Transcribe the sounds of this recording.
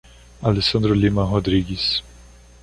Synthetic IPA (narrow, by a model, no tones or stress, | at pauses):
alesɐ̃nd̪ɾʊlimɐɦod̪ɾiɡɪs